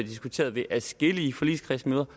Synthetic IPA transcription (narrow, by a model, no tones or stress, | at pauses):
d̥isɡ̥ut͡sʰe̝̰ːɐðˠʋe̝ʔæsɡ̥eliːfɒ̽lḭ̥ːskʰʁɛsmøːðˠɐ